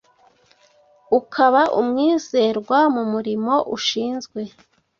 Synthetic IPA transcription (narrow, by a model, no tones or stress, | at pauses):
ukʰaβaʔumŋiːze̞ɾɡwamumuɾimo̞ʔuʃiːnzɡwe̞